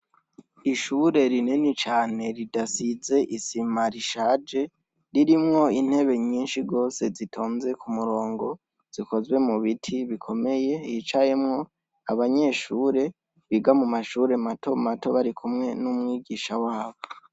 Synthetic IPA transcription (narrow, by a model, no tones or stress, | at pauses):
iʃuɾe̞ɾinenit͡ʃaːne̞ɾidasize̞ʔisimaɾiʃaːd͡ʒe̞ | ɾiɾimŋo̞in̥he̞βe̞ɲiːnʃiɡo̞ːse̞zitʰo̞ːnze̞kumuɾo̞ːŋɡo̞ | z̥iko̞zwe̞muβitʰiβikʰo̞me̞je̞jit͡ʃaje̞mŋo̞ | aβaɲe̞ːʃuːɾe̞ | βiɡamumaʃuːɾe̞matʰo̞mato̞βaɾikumŋe̞numŋiːɡiʃawaːβo